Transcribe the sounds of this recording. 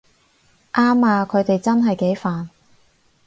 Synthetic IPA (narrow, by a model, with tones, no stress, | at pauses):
ʔaː˥maː˧kʰɵ˨˧ɥt̪e˨jt͡sɐ˥nɦɐ˨jke˨˥jfaː˨n